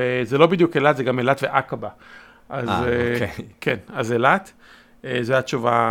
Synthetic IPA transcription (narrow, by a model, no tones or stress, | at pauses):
ezelo̞bid̪jukelat̪zeɡamelat̪veʔakaba | ʔazekʰenazelat̪ | ezoajat͡ʃuva